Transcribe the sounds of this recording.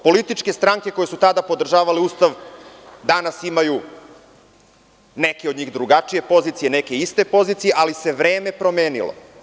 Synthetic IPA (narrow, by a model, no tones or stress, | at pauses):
po̞lit̪it͡ʃke̞st̪ɾaŋke̞ko̞jesut̪ad̪apo̞d̪r̩ʒaːʋaleuːst̪aʋd̪anasimaju | ne̞keo̞d̪ɲiːɣd̪ɾuɡat͡ʂije̞po̞zit̪sijene̞ke̞ist̪e̞po̞zit̪sije̞ʔalise̞ʋɾe̞ːme̞pɾo̞me̞ːnḭlo̰